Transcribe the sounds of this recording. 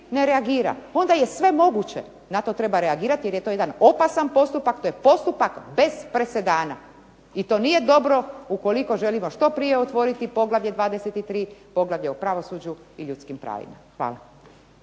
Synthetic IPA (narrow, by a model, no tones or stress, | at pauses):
ne̞ɾeaɡiːɾa̰o̞nd̪aje̞sʋe̞mo̞ɡut͡ɕḛ | nat̪o̞t̪ɾe̞baɾeaɡiːɾat̪ije̞ɾjet̪ojed̪ano̞pasanpo̞st̪upakt̪ojepo̞st̪upakbe̞z̥pɾe̞se̞d̪aːna | it̪o̞ːnije̞d̪o̞bɾo̞uko̞liko̞ʒe̞limo̞ʃt̪o̞pɾije̞ot̪ʋo̞ɾit̪ipo̞ɡlˠaʋʎed̪ʋaːd̪e̞set̪it̪ɾiːpo̞ɡlaʋʎeupɾaʋo̞sud͡ʑu | iʎut̪skimpɾa̰ːʋḭma̰xʋa̰ːla̰